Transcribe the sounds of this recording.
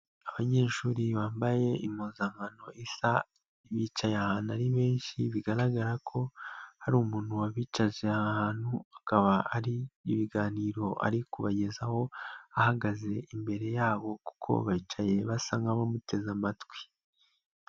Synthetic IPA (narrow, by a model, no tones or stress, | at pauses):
aβaɲe̞ːʃuːɾiβaːmbaje̞ʔimoːzaŋɡano̞ʔisa | iβit͡ʃajahaːnaɾiβe̞ːnʃiβiɡaɾaɡaɾakʰo̞haɾuːmuːnhuwaβiːt͡ʃaʒeahhaːn̥huakaβaaɾiːβiɡaːniːɾo̞ʔa̰ɾikuβaɟe̞zaho̞ahaɡaze̞ʔimbe̞ɾe̞jaːβo̞ku̥kʰo̞̰βait͡ʃaje̞βasaŋɡaβamute̞zamatwi̥